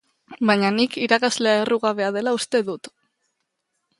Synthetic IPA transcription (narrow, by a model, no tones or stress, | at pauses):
bajɲanikiɾakazle̞ae̞ruɣaβe̞að̞e̞laust̪e̞ðut̪